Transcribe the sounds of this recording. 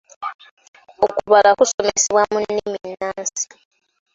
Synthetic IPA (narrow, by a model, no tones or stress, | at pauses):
okuβalakusomesiβwamuniminaːnsi̥